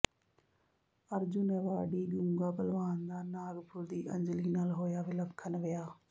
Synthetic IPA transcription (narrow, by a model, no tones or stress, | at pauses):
əɾd͡ʒʊnɛːʋaːɖiːɡũŋɡaːpəlʋaːnd̪aːnaːɡpʰʊɾd̪iːʔə̰̃ɲd͡ʒliːnaːlɦoːjaːʋɪləkʰːənʋɪjaː